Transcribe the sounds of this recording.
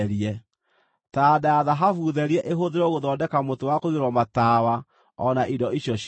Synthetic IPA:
ɾiɛ | tadaaðaɦafuðɛɾiɛʔeɦoðeɾɔɣoðɔːdɛkamotowakoɣeɾwɔmataːwa | ɔnaʔidɔiɕjɔɕ

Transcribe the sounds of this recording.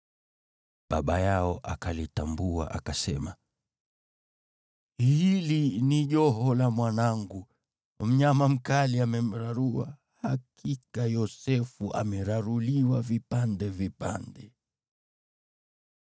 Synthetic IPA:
ɓaɓajaɔʔa̰kalitambua̰ʔakasɛma | hiliniʄɔɦɔlamwanaŋɡu | m̩ɲamam̩kaliamɛm̩ɾaɾua̰ | hakʰikajɔsɛfuʔa̰mɛɾaɾuliwavipandɛvipa̰ndɛ

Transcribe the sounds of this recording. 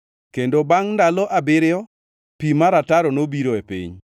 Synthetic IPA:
kendobaŋndalɔʔabɪɾɪɔ | pimaɾataɾɔnobiɾoepḭɲ

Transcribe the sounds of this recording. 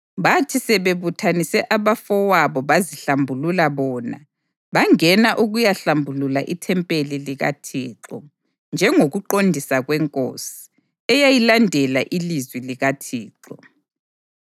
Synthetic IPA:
βatʰisɛβeβutʰanisɛʔaβafɔwaβɔβaziɬambʱululaβɔːna̰ | βaŋɛnaʔuɣujaɬambʱululaʔitʰɛmpʼeliliɣa̰tʰiːǁɔ | nd͡ʒʱɛŋoɣuǃondʱisaɣwɛŋkʼo̰si̥ | ɛjajilandʱɛlaʔilizwiliɣatʰiːǁɔ

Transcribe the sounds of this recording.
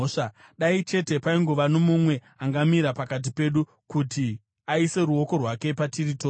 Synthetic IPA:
ʂa | ɗait͡ʃe̞te̞paiŋɡo̞ʋanomumwe̞ | aŋɡamiɾapakat̬ipe̞ɗu | kuti | aise̞ɾuo̞ko̞rwake̞patiritoː

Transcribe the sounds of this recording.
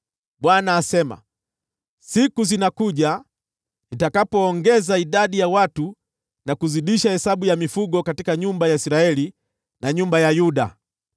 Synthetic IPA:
ɓwanaːsɛma̰ | sikuzinakuʄa | nitakapɔːŋɡɛzaiɗaɗijawatu | nakuziɗiʃahɛsaɓujamifuɡɔkatikaɲumbajaisiɾaɛli | naɲumbajajuɗa̰

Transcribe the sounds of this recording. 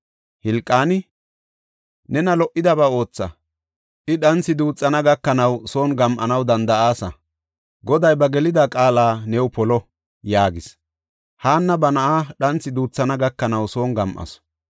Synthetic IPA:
hɪlkʼːaːnɪ | nɛnɐlɔʔɪd̪ɐbɐo̞ːt͡sːɐ̰ | ʔɪɗɐnt͡sːɪd̪uːt͡sʼːɐnɐɡɐkːɐnɐwso̞ːnɡɐmʔɐnɐwd̪ɐnd̪ɐaːsɐ̰ | ɡɔd̪ɐjbɐɡɛlɪd̪akʼaːlaːnɛwpɔlɔ | jaːɡɪs | haːnːɐbɐnɐʔaːɗɐnt͡sːɪd̪uːt͡sːɐnɐɡɐkːɐnɐwso̞ːnɡɐmʔɐ̰sɔ̥

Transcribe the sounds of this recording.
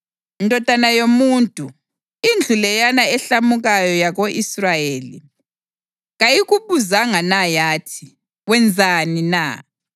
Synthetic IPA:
indʱʼɔd̥ʼʱanajomuːntʼu | ind͡ɮʱulɛjanaɛɬamuɣajɔjaɣoʔisrajeːlḭ | ɣajiɣuβuzaŋanajaːtʰi̥ | ɣwɛnd͡zʱanina̰

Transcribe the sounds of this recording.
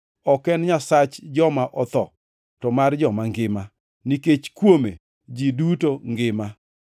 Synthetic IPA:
ɔkɛnɲasat͡ʃd͡ʒɔmaʔɔt̪ɔ̰ | tɔmard͡ʒɔmaŋɡɪma | niket͡ʃkwome | d͡ʒidutoŋɡɪma

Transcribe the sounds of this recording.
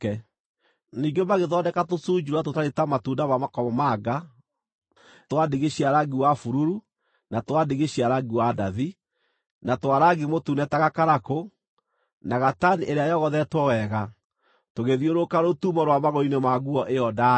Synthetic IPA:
ɛ | niɡomaɣeðɔdɛkatosuːd͡ʒuɾwatotaɾetamatundamamakɔmɔmaɡa | twadeɣeɕiaɾaɡiwafuɾuɾu | natwadeɣeɕiaɾaɡiwadaði | natwaɾaɡimotunɛtaɣakaɾako | naɣataniʔeɾeajɔɣɔðɛtwɔwɛɣa | toɣeðioɾokaɾotumɔɾwamaɣɔinemaɣuɔʔeɔda

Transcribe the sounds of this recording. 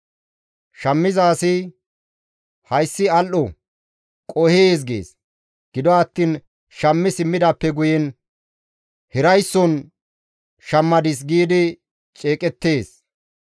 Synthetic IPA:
ʃɐmːɪzaːsɪ | hɐjsːɪɐlʔɔ | kʼɔheːs̬ɡḛːs | ɡ̥ɪd̪ɔɐt̪ːiːn | ʃɐmːɪsɪmːɪd̪ɐpːɛɡʊjɛn | hɪɾɐjsːɔn | ʃɐmːɐd̪ɪs̬ɡiːd̪ɪ | t͡ʃʼeːkʼɛt̪ːe̞ːs

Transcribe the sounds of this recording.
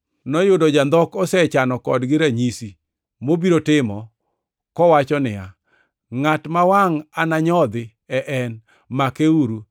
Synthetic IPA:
nɔjʊdɔd͡ʒand̪ɔkɔsɛt͡ʃanɔkɔdɡɪɾaɲisi | mobiɾotɪmɔ | kɔwat͡ʃɔnɪja | ŋatmawaŋanaɲɔd̪ɪ | ɛʔɛn | makeuɾu

